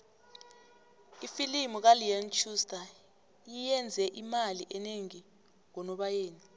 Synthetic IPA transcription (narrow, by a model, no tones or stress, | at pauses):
ifilimuk̬aliant͡ʃʰustʰʼa | jijɛnd͡zʱɛʔimaliʔɛneŋi | ŋɔnɔɓajeːni